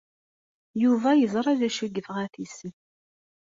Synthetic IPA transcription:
juvæjəzˤɾˤæðæʃəɡːəfʁæθisən

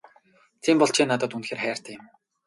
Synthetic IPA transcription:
t̪ʰiːmpɔɮt͡ɕʰiːnat̪ə̆t̪unxeːrχæːr̥t̪ʰæ̆ːɪm

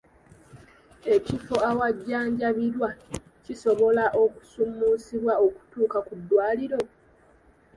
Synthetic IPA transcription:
e̞cifo̞awaɟːaːɲɟaβiɾwa | ciso̞βo̞laʔo̞ku̥sumːusiβwaoku̥tuːkakudːwaːliɾo̞

